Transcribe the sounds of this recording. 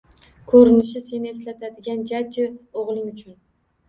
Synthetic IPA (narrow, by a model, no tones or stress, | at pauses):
kʰɵɾɪnɪʃɪse̞nɪe̞slat̪ʰad̪ɪɡʲand͡ʒad͡ʒɪoʁlˠɪŋʊt͡ʃʰʊn